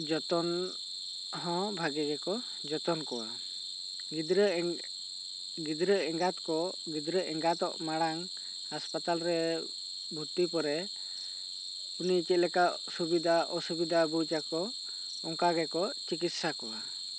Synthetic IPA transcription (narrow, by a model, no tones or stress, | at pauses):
d͡ʒɔt̪ɔn | ɦɔ̃bʱaɡɛɡɛkɔ | d͡ʒɔt̪ɔnkɔwa̰ | ɾ | ɡid̪ɾəɛŋɡat̪kɔ | ɡid̪ɾəʔɛŋɡat̪ɔ̰ʔmaɽaŋ | haspat̪alɾɛ | bʱut̪ːipɔɾɛ | unit͡ʃɛt̪̚lɛkaʔ | subid̪ʱaʔɔsubid̪ʱabud͡ʒakɔ | ɔŋkaɡɛkɔt͡ʃikit̪sakɔwa